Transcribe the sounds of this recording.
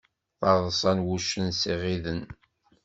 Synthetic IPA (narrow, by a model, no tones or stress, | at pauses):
θɑɾðˤsˤɑnwuʃənsiʁiðən